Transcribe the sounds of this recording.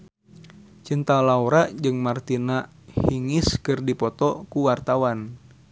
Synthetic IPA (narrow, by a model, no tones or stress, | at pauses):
t͡ʃint̪alauɾaʔd͡ʒɨŋmart̪ina | hiŋɪskɨrdipɔt̪ɔkuwart̪awan